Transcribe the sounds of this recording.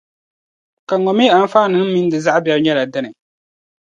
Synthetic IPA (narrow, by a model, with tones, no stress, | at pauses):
ka˨ŋɔ˨mi˦a˦n̩˦faː˦˨nɨ˨˦n˦mi˦n˦dɨ˨za˦ʔbjɛ˦bɲɛ˦la˨dɨ˦nɨ˨